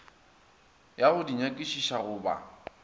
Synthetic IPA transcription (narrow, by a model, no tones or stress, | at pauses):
jaɣʊdiɲakʼiʃiʃaɣʊːba̰